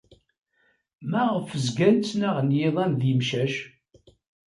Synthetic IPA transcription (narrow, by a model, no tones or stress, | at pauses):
mæʁəfəzɡænt͡sːnæʁnjɪðˤænðimʃæʃ